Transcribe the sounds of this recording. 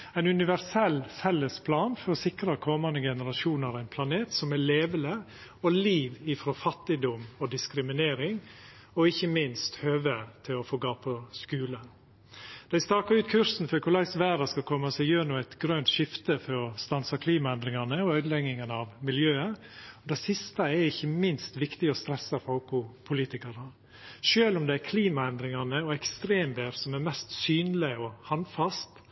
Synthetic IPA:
æɪnʉnɪʋæɾsɛlːfɛlːəspʰlɑːnfɔɾɔsɪkɾɑkʰɔmɑnəɡɛnəɾɑʃuːnəɾæɪnpʰlɑneːt̪sɔmæleːʋələ | ɔliːʋɪfɾɔfɑt̪ːɪd̪ɔmɔd̪ɪskɾɪmɪneːɾɪŋ | ɔɪçːəmɪnst̪høːʋəɾt̪ʰɪlɔfoːɡɑːpʰɔskʉːlə | d̪̥æɪst̪ɑːkɑɾʉːt̪kʰʉɾsn̩fɔɾkʰʊlɛɪsʋæːɾɑskɑkʰɔmːɑsɛɪjøːnuːæɪt̪ɡɾœnt̪ʃɪft̪əfɔɾɔst̪ɑnsɑkʰliːmɑɛnd̪ɾɪŋɑnəɔœʏd̪əlɛɡːɪŋənəɑʋmɪljøːə | ɔd̪æɪsɪst̪ɑɛɾɪçːəmɪnst̪ʋɪkt̪ɪɔst̪ɾɛsːɑfɔlkʊpʰʊliːt̪ɪkɑɾə | ʃøːlɔmd̪ɛæɾkʰliːmɑɛnd̪ɾɪŋɑnəɔɛkst̪ɾeːmd̪eːɾsɔmæɾmɛst̪syːnlɪɔhɑnfɑst̪

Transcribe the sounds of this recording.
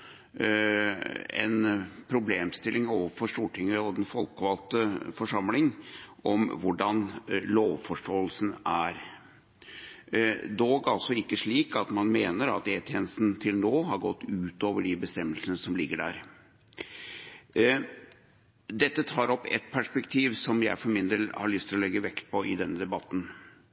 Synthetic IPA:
ɛ̰npʰɾʊbleːmst̪ɪlɪŋoːʋəfɔʂtuːʈʰɪŋəɔd̪ɛnfɔlkʋɑlt̪əfɔʂɑmlɪŋɔmʋʊɖɑnloːʋfɔʂʈoːəlsn̩ʔæɾ | d̪oːɡɑlsɔɪkːəʂɭiːkɑt̪mɑnmeːnəɾɑ̰t̪eːt̪ʰjɛːnəst̪nt̪ʰɪlnoːɦɑɾɡɔt̪ːʉːt̪oːʋəɖɪbəst̪ɛmːəlsənəsɔmlɪɡːəɖæ̰ːɾ | d̪ɛt̪ːət̪ʰɑːɾɔpːɛ̰t̪̚pʰæʂpɛkt̪ʰiːʋsɔmjæɪfɔɾmɪnd̪eːlhɑ̰ɭʏst̪ɪlɔlɛɡːəʋɛkt̪̚pʰɔʔɪ̰d̪ɛnːəd̪ɛbɑt̪ːn̩

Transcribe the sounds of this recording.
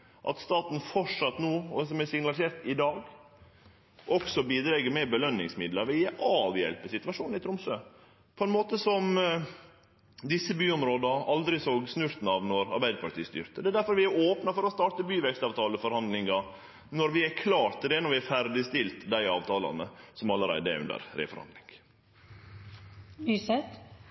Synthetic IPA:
ʔɑ̰t̪st̪ɑːt̪n̩fɔʂɑt̪noːɔd̪ɛsɔmɛsɪŋnɑlɪseːɾt̪ɪd̪ɑːɡ | ʔɔksɔbiːd̪ɾɛɡəɾmɛbəlœnːɪ̰ŋsmɪd̪ləɾʋɛjɛʔɑːʋjɛ̰lpəsɪt̪ʉʋɑʂuːnɪt̪ʰɾʊmsøː | pʰɔɛnmoːt̪əsɔm | d̪ɪsːəbyːɔmɾoːd̪ɑʔɑld̪ɾɪsoːɡsnʉɾt̪n̩ɑʋnɔɾɑ̰ɾbæɪd̪əpʰɑʈt̪iːst̪ʏ̰ːɾt̪əd̪ɛd̪æɾfɔɾʋɪæɾoːpnɑfɔɾɔst̪ɑːʈəbyːʋɛkst̪ɑːʋt̪ʰɑːləfɔɾhɑnd̪lɪŋɑ | nɔɾʋɪækʰlɑːt̪d̪ɛːnɔɾʋɪæfæɾɖ̪ɪst̪ɪlt̪d̪æɪɑːʋt̪ʰɑːlɑ̰nəsɔmɑlːəɾæ̰ɪd̪əʉ̰nd̪ə̰ɾɾḛːfɔɾhɑ̰nlɪ̰ŋɡ | ysɛt̪

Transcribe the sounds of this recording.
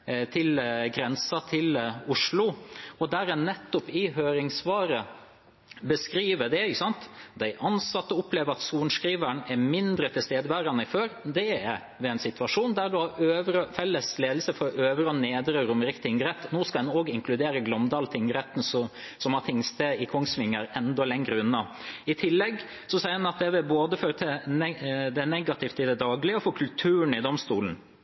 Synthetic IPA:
t̪ʰɪlɡɾɛnsɑt̪ʰɪlʊʂlʊɔd̪æɾɛnːɛt̪ːʊpɪɦøːɾɪŋsʋɑːɾə | bəskɾiːʋəd̪ɛɪkəsɑnt̪d̪æɪʔɑnsɑt̪ːəʊpleːʋəɾɑt̪suːnskɾiːʋæɳɛmɪnd̪ɾət̪ʰɪlst̪eːd̪əʋæɾɑnəɪføːɾd̪ɛɛ | ʋɛɛɪnsɪt̪ʋɑʂuːnd̪æɖʉhɑɾøːʋəɾəfɛlːəsleːd̪l̩səfɔɾɔʔøːʋəɾəɔneːd̪ɾəɾʊmɾɪkt̪ɪɪŋɡɾɛt̪ːnoːskɑd̪ɛnoːɡɪŋkʰlʉd̪eːɾəɡlɔmd̪ɑːlt̪ʰɪŋɡəɾɛt̪ːn̩sɔ | sɔmhɑt̪ʰɪŋst̪əɪkʰɔŋsʋɪŋːəɾɛnd̪ɔlɛŋɾəʉnːɑ | ɪt̪ʰɪlːɛɡ | sɔsɛɪəɾɛnɑt̪̚d̪ɛʋɪboːd̪əføːɾət̪ʰɪnɛd̪ɛnɛɡɑt̪ʰɪft̪ɪd̪ɛd̪ɑːɡlɪəɔfɔkʰʉlt̪ʰʉːəɳ̩ɪd̪ɔmst̪uːln̩

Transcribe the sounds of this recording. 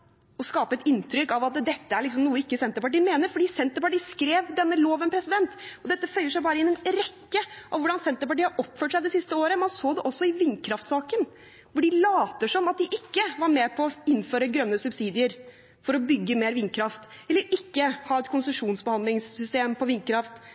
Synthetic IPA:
ɔskɑːpəɛt̪ɪnt̪ʰɾʏkːɑʋɑt̪̚d̪ɛt̪ːəæɭɪks̬ɔmnuːəɪkːəsɛnt̪əɾpɑʈiːmeːnəɾfɔɖiːsɛnt̪əɾpɑʈiːskɾeːʋd̪ɛnːəloːʋənpʰɾɛsɪd̪ɛnt̪ɔd̪ɛt̪ːəfœʏəʂæɪbɑːɾəɪnɛnɾɛkːəʔɑʋʋʊɖɑnsɛnt̪əɾpɑʈiːɑɾʔɔpføːʈʂæɪd̪ɛsɪst̪əoːɾəmɑnsoːd̪ɛʔɔsːɔɪʋɪnːkʰɾɑft̪sɑːkən | ʋʊɖɪlɑːt̪əʂɔmɑt̪̚d̪ɪʔɪkːəʋɑɾmɛpʰɔɔɪnːføːɾəɡɾœnːəsʉbsiːd̪ɪəɾ | fɔɾɔbʏɡːəmeːɾʋɪnkʰɾɑft̪ | ɛlːəɾɪkːəhɑːɛt̪kʰʊnsʉʂuːnsbəhɑnd̪lɪŋsːʏst̪eːmpʰɔʋɪnkʰɾɑft̪

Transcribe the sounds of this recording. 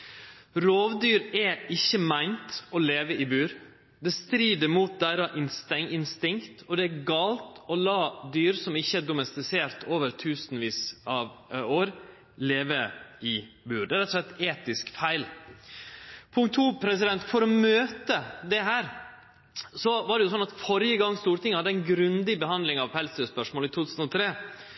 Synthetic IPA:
ɾoːʋd̪yːɾɛɪçːəmæɪnt̪ɔleːʋəɪbʉːɾ | d̪ɛst̪ɾiːd̪əɾmuːt̪̚d̪æɪɾɑʔɪnst̪ɛŋɪnst̪ɪŋkt̪ɔd̪ɛæɾɡɑːlt̪ɔlɑːd̪yːɾsɔmɪçːəæɖʊmɛst̪ɪseːɾt̪ʰoːʋəɾt̪ʰʉːsnʋiːsɑʋoːɾ | leːʋəɪ | bʉːɾɖɛɾɛt̪ːɔʂlɛt̪ːeːt̪ɪskfæɪl | pʰʊŋkt̪ʰːuːpʰɾɛs̬ɪd̪ɛnt̪fɔɾɔmøːt̪əd̪ɛɦæːɾ | sɔʋɑɖɛjʊsɔnɑt̪fɔɾjəɡɑŋːst̪uːɾʈ̪ɪŋəhɑd̪ːəæɪnɡɾʉnd̪ɪbəhɑnd̪lɪŋɑʋhɛlsəspœʂmoːlɪt̪ʰuːt̪ʰʉːsn̩ɔt̪ʰɾeː

